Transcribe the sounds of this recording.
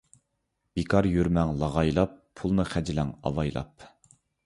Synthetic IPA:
b̥ikʰɑɾjøɾmɛŋlˠɑʁɑjlˠɑpʰːulˠnɨχæd͡ʒɪlæŋɑ̰wɑjlˠɑ̰p̚

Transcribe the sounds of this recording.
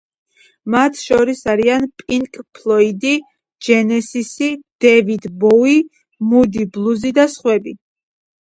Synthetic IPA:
mat̪ʰʃɔɾisaɾianpʼiŋkʼpʰlˠɔid̪i | d͡ʒɛnɛsisid̪̥ɛvid̪bɔi | mud̪iblˠuzid̪asχwɛbi

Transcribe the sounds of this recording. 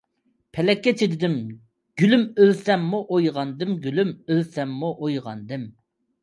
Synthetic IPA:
pʰɛlɛkʲːɛt͡ʃʰed̪ɪd̪ɪm | ɡ̥ʲylymølsɛmːuʔojʁɑnd̪ɪmɡʲylymølsɛmːuʔojʁɑ̰nd̪ɪm

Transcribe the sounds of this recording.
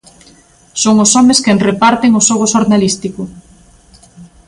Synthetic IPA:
soŋosɔmeskenrepaɾt̪eŋosɔɣ̞oʃoɾnalist̪iko

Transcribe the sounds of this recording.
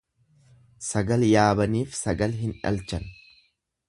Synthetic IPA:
sɐɡɐljaːbɐniːfsɐɡɐlɦɪnᶑɐ̰lt͡ʃɐn

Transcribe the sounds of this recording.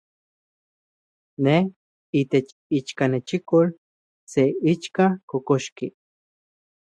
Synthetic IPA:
neh | it̪et͡ʃ | it͡ʃkanet͡ʃikol | seit͡ʃkakokoʃki

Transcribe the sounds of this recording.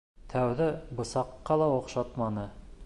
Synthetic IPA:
t̪ʰæwðɘbɤ̆sɑqːɑlˠɑŏqʃɑt̪mɑnɤ

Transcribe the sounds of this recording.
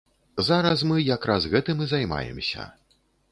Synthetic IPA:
zaɾɐs̬mɨjakɾazɣɛt̪ɨmɨzajma̰jɛ̰msʲɐ̰

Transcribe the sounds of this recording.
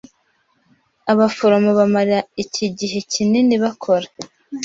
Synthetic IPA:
aβafo̞ɾomoβamaɾaicʰiɟiɦe̞cʰineniβakʰo̞ɾa

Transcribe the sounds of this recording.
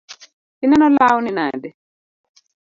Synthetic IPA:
tinɛnɔlawninaːdɛ

